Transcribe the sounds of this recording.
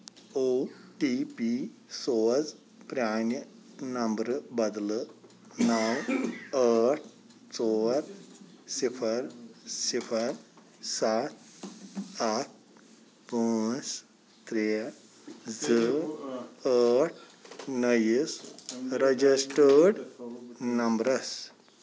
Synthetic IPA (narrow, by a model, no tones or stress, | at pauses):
oʈipisod͡z | pɾanjə | nəmbɾbəd̪lə | nawəʈ̚ʰ | t͡soɾ | sifʰəɾsifʰəɾ | sat̪̚ʰ | aʈ̚ʰ | pus | t̪ɾe | d͡zə | əʈʰ | nəjisɾəd͡ʑisʈəɽ | nɐmbɾəs